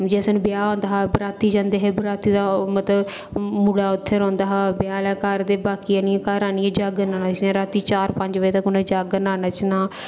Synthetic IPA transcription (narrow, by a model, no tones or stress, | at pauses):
d͡ʒɛːsñbɪjaːõːnd̪aːɦaːbɾaːt̪iːd͡ʒãːnd̪eːɦeːbɾaːt̪iːd̪aːmət̪ləb | muɽaːʊt̪ʰːeɾõːnd̪aːɦaːbɪjaːlaːkaːɾd̪eːbaːkiːaːnijãːkaːɾaːnɪjãːd͡ʒaːɡnaːnaːt͡ʃnãːɾaːt̪iːt͡ʃaːɾpə̃ɲd͡ʒʋəeːt̪əkʊnẽːd͡ʒaːɡənaːnaːt͡ʃʰnaː